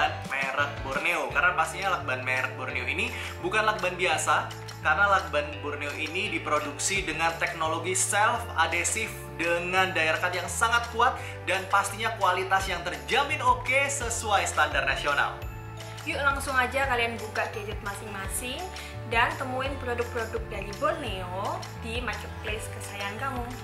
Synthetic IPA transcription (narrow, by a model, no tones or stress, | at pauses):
anmaɾəhborneokarnapast̪iɲalak̚banmaɾəhborneoini | bukanlak̚banbiasa | karnalak̚banbɔrneoʔinidipɾoduksidəŋant̪ɛk̚noloɡisɛlfadesɪf | dəŋandaiɾakat̪jaŋsaŋat̪̚kuat̪̚ | danpast̪iɲakualit̪asjaŋt̪ərd͡ʒamɪnokesəsuajst̪andarnasiona̰l | jʊʔlaŋsʊŋad͡ʒakalianbukaʔɡəd͡ʒʊt̪̚masɪŋmasɪŋ | dant̪əmuɪnpɾodʊk̚pɾodʊk̚daɾibɔrneo | dimarkɛt̪̚pleskəsajankamʊ